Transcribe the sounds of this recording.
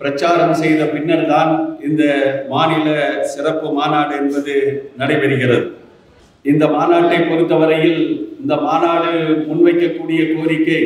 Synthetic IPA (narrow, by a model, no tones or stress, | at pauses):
pɪɾɐt͡ʃːaːɾɐmsɛjðɐpɪnːɐɾt̪aːnɪnd̪ɐmaːnɪlɐsɪrɐpːɯmaːnaːɽɯɛnbɐðɯnɐɽɐɪpɐɽɯɣɪrɐðɯ | ɪnd̪ɐmaːnaːʈːɐɪpːɔɾɯt̪ːɐʋɐɾɐjɪlɪnd̪ɐmaːnaːɽɯmʊnʋɐɪkːɐkːuːɽɪjɐkoːɾɪkːɐɪ